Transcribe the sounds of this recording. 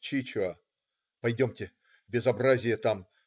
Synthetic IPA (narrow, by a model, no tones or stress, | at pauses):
t͡ɕit͡ɕɐ | pɐjdʲomtʲɪ | bʲɪzɐbrazʲɪjət̪am